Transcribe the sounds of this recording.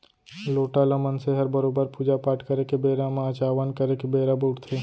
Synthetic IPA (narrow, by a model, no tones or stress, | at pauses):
loːʈaləmənseɦɐɾbəɾoːbəɾpuːd͡ʒapaːʈʰkɐɾekebeːɾamãt͡ʃaːʋənkɐɾekebeːɾabuːʈt̪ʰeː